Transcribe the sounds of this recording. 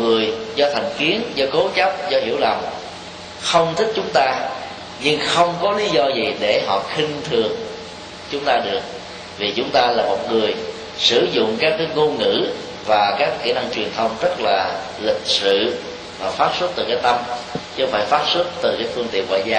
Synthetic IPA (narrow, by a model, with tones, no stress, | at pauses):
ŋɨ˨˩əjzɔ˧t̪ʰa˨˩jŋ̟ki˨˦ənzɔ˧ko˨˦t͡ɕa˦˥p̚zɔ˧hḭ˧˩əwla˨˩m | xə˧wŋ͡mt̪ʰï˦˥k̟̚t͡ɕʊ˨˦ŋ͡mt̪aː˧ | ɲɨ˧ŋxə˧wŋ͡mkɔ˨˦li˨˦zɔ˧zi˨˩ɗe˧˩ɦɔ̰˧˨xï˧ŋt̪ʰɨ˨˩əŋ | t͡ɕʊ˨˦ŋ͡mt̪aː˧ɗɨ˨˩ək̚ | vi˨˩t͡ɕʊ˨˦ŋ͡mt̪aː˧laː˨˩mo˨˩t̚ŋɨ˨˩əj | sɨ˧˩zʊ̰˧˨ŋ͡mkaː˦˥k̚ːaː˨˦ŋo˧ŋɨ̰˧˥ | vaː˨˩kaː˦˥kxḭ˧˩na˧ŋt͡ɕwi˨˩ənt̪ʰə˧wŋ͡mzə˦˥t̚laː˨˩ | lï˨˩k̟̚sɨ̰˧˨ | vaː˨˩faː˦˥t̚swə˦˥t̚t̪ɨ˨˩kaː˨˦˥jt̪ə˧mt͡ɕɨ˧˦faː˧˦jfaː˦˥t̚swu˦˥t̚t̪ɨ˨˩kaː˨˦jfɨ˧əŋt̪ḭ˧˨ənvɔ̰ː˧˨jzaː˧